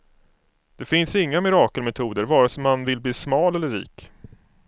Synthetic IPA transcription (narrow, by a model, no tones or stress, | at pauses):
d̪̥ɛfɪnsɪŋːamɪɾɑːkəlmɛt̪ʰuːd̪əɾvɑːɾasɔmːanvɪlbliːsmɑːlɛlːəɾːḭːk